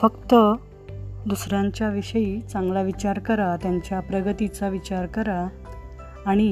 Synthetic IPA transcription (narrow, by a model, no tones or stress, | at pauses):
fəkt̪ə | d̪usɾãɲt͡ɕjaʋiɕəjit͡sãŋɡlaʋit͡ɕaɾkəɾat̪jaɲt͡ɕjapɾəɡət̪it͡saʋit͡ɕaɾkəɾaː | ɽ̃i